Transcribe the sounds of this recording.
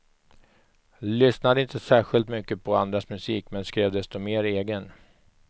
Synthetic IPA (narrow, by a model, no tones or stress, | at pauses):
lʏsnad̪əɪnt̪əsæːɧɪlt̪mʏkːəpʰɔand̪ɾasmɵsiːkmɛnskɾeːvd̪ɛst̪ɔmeːɾeːɡən